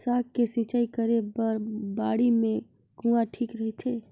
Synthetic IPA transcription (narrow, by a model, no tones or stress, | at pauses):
saːkkːesĩt͡ʃaːikəɾebəɾbaːɽimẽ | ɡũaʈʰiːkɾɐɦet̪ʰeː